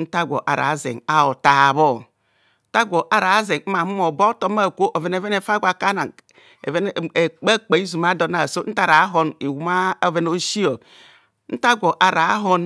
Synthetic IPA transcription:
n̩˦ta˦ɡʷo̰˨ʔa̰˨ɾa̰˨˦zḛ˨ŋa˦o˨ta˨βo˦ | n̩˦ta˦ɡʷo˨ʔa˨ɾa˨˦ze˨ŋ̩˦ma˨mu˦mo˨bo˦to˦m˦a˦˨kʷo˦ʔo˨ve˨n˦e˨ve˦ne˨fa˦ɡʷa˨ka˦na˨ŋ | ḛ˨ve˦n˦˨e˨k͡pa˦k͡pe˨i˦zu˨ma˦do˨na˨so˦n̩˦ta˦ɾa˨˦ɦo˦ni˨wu˦ma˦ve˦no˦ʃi˦o˨ | n̩˦ta˦ɡʷo˨ʔa˨ɾa˨˦ɦo˦n

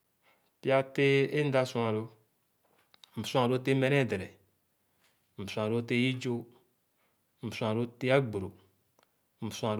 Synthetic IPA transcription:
pi˦a˦te˦e˦n̩˦da˦su˦a˨ɾo˧ | m̩˨sũ˦a˨ɾo˦t̬e˦me˦ɾe˦˨de˨ɾɛ˨ | m̩˨bsũ˨a˨ɾo˦te˦ji˦d͡ʒo˦ | m̩˨bsũ˨a˨ɾo˦te˦a˦ɡ͡bo˨ɾo˨ | m̩˨bsu˦a˨ɾ

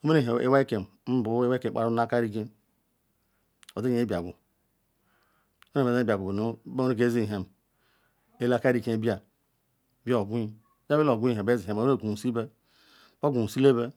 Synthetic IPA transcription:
o˦me˦ne˦˨ɦḛ˦wa˦i˦ke˨m | m̩˦bu˨˦e˦wa˦ke˨k͡pa̰˨ɾu˦a˦ka˦ɾi˦ke˦ | o˨di˦˨˦bi˨a˨ɡu˨˦ | me˦e˦˨e˨e˦bi˨a˨ɡu˨bnu˦be˦ke˦zi˦˨ɦe˨m | e˦la˦ka˦ɾi˦kẽ˦bi˦a˨ | bi˦o˨ɡu˦i˦ | d͡ʒa˦be˦lo˨ɡu˦i˦˨ɦe˨be˦zi˨e˨˦e˦e˦˨ɡu˨u˨si˦be˦ | bo˦ɡu˨u˨si˦le˦be˦

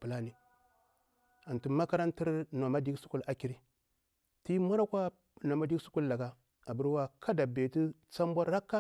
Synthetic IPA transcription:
pu˨la˦ni˨ | a˨ntu˦ma˦ka˦ɾa˦nti˦ɾna˨ma˦di˦ɡsu̥˦ku˦la˨ki˨ɾi˦ | ti˦ma˦ɾa˦kʷa˦ | na˨ma˦di˦su˦ku˦lla˨ɡa˦ | a˨bu˦ɾwa˦kʰa˦da˨be˨ti˦t͡sa˦m˦bʷa˦ɾɾa˦kːa˦

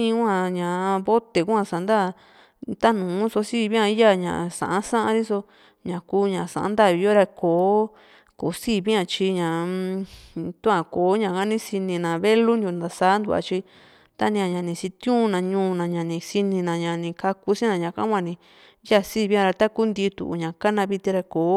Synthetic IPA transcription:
ĩ˦kʷã˧˨ɲã˨˧βo˦t̪e˨ku˦ã˧sa˨nd̪a˦˨ | t̪a˦nũː˨˦so˧si˦˧βĩ˦ã˧i˦ja˦˨ɲã̰˨sã̰˨ʔã˦sã˦ʔã˧ɾi˦so˧ | ɲã˨kuː˦ɲã˨sã̰˨ʔã̰˦nd̪a˦˨i˨˧jo˦ɾa˧koː˨˦ | ko˨˦siː˦˨βi˦ã˧t͡ʃi˧ɲã˨ | t̪ũ˦ã˧˨koː˨˦ɲã˧˨ka˦nĩ˦si˧nĩ˧nã˨βe˦lu˦njo˧nd̪a˨sa˦nd̪u˧˨a̰˧t͡ʃi˧ | t̪a˦nĩ˧ã˧ɲã˨nĩ˧si˧t̪ũ˦˧nã˧ɲũː˧˦˧nã˨ɲã˨nĩ˧si˧nĩ˧nã˧ɲã˨nĩ˧ka˧ku˧sĩ˦nã˧ɲã˨kã˦wʷã˧˨nĩ˧˦ | ja˦˨siː˦˨βĩ˦ã˧ɾa˧t̪a˦ku˦nd̪i˧t̪ṵ˨ʔṵ˨ɲã˨ka˦nã˧βi˧t̪i˧ɾa˧koː˨˦

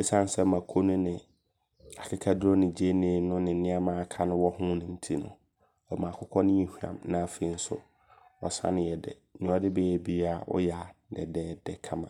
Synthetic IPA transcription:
e˦sã˦˨n˦sɛ˦mã˨kʰo˦nʊ̃˦nɪ̃˨ | a˨kʰɪ˦kʰa˦dʊ˦ɾɔ˦nɪ̃˨d͡ʑi˦e˦nẽː˨˦nʊ̃˦nɪ̃˨˦nɪ̃˦a˦mã˦kʰa˦nʊ̃˦wɔ˦hʊ̃˦nʊ̃˨n̩˦tʰi˦nʊ̰̃˨ | ɔ˨mã˨kʰʊ˦kʰɔ˦nɪ̃˦ĩ˨hu˦ã̰˨mnã˨fe˨˦n̩˦sʊ̰˦ | ɔ̰˨sã̰˦nɪ̃˨jɛ˨dɛ̰˨nĩ˨˦ɔ˦dɪ˦bɛ˦jɛ˨bi˦a˦˨ɔ̰˦ja˨dɛ̰˨dɛː˦dɛ˨kʰã˦mã˨

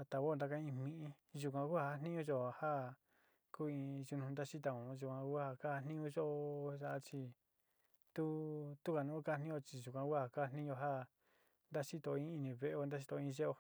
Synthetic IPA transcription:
a˧t̪a˨βo˦˨˧nd̪a˧ka˦ĩ˧mĩ˧ʔĩ˧ | ʒu˧k̬ʷã˧ku˦ha˧a˦nĩ˦ũ˦ʒo˧ha˦ | kuː˦ĩ˧ʒu˧nũ˧nd̪a˦t͡ʃi˦t̪̬a˧˨õ˨˧ʒu˧kʷã˧ku˦ha˧ka˦ha˧nĩ˦ũ˧˦ʒo˦o˧ʃa˧ʔa˧t͡ʃi˧ | t̪u˦t̪u˦ka˧nũ˦ka˦˧nĩ˦jo˧t͡ʃi˧ʒu˨kʷã˧kʷha˧ka˦˧nĩ˦o˧ɦa˦ | nd̪a˦t͡ʃi˦t̪o˧ĩ˦i˧nĩ˧βe˧ʔe˧o˧nd̪a˦i˧t̪o˧ĩ˧˦˧ʒe˦o˧

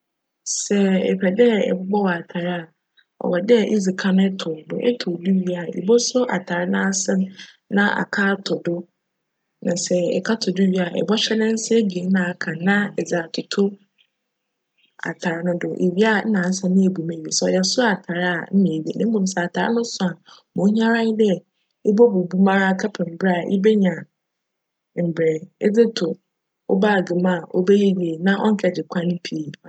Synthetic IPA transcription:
sɛ˦ɛ̰˨pʰɛ˨dɛ˦ɛ̰˨bʊ˦ɡ͡bɔ˦wɔ˨a˨tʰa˨ɾɪ˦a˨ | ɔ̰˨wɔ˨dɛ˦ʔḭ˦zi˨kʰa˦nʊ̃˦ɛ˦tʰʊ˨dʊ̰˦ʔḛ˦tʰʊ̃˨di˦ɥi˦a˨ḛ˨bo˦sʊ˦ʔa̰˨tʰa˨ɾɪ˦nã˦a˦sɪ̃˦m | nã˦ʔa̰˨kʰaː˦tʰʊ˨dʊ˦ | nã̰˨sɛ˦ɛ̰˨kʰa˦tʰʊ˨dʊ˦ɥi˦a˨ɛ̰˨bɔ˦ɕᶣɛ˦nɪ̃˦n̩˦sɪ˦e˦bi˨e˨˦nã˨kʰã˨nã˦ɛ˨za˨tʰʊ˨tʰʊ˦ | a̰˨tʰa˨ɾa˨˦nʊ̃˦dʊ˨ʔḛ˨ɥi˦a˦n̩˦nã˨n̩˦sã˨nɪ̃˦e˨bu˨mẽ˨ɥe˨sɔ˨jɛ˨sʊ˦a˨tʰa˨ɾa˦a˨m̩˦nĩ˨e˨ɥi˨ḛ˨nɪ̃˦m̩˦mʊ̃˨m̩˨sɛ˦˨a˨tʰa˨ɾa̰˦nʊ̃˦sʊ˨a˨mʊ̃˨˦ɲ˦ã˦ɾa˦n˦dɛ˦ | e˦bɔ˦bu˨bu˦mã˦ɾa˦˨kʰa˦pʰɛ̃˨m̩˨bɾɛ˦a˨ʔɪ̰˦bɛ˦ɲã˨ | m̩˨bɾɛ˨e˦d͡zɪ˦tʰʊ˨ | ɔ̰˦baː˦˨ɡɪ˨mã˦˨ʔɔ̰˦be˦je˦ɥi˨e˨nã˦ʔɔ̰˦ŋ̩˦kʰɛ˨dɪ˨kʷʰã˦n̩˦pʰi˨

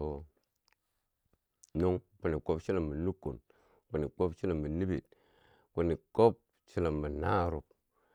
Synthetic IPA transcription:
o˨ | no˦ŋ | pu˨ni˨ko˦pʃi˦la˨mmə˨nu˦kṵ˨n | k͡pu˨ni˨k͡po˦pt͡ʃi˦la˨mːə˨ni˦bḭ˨t̚ | ku˨ni˨ko˦p̚ | t͡ʃi˦la˨mːə˨na˦˨ɾu˨k̚

